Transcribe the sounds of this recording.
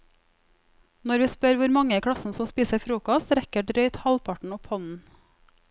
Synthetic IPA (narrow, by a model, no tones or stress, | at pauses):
nɔɾʋiːspœɾʋʊɾmɑŋəkʰɽɑsn̩sɔmspiːsəfɾuːkɔst̪ɾɛkəɖɾœʏt̪hɑlpʰɑʈɳ̩ɔphɔnn̩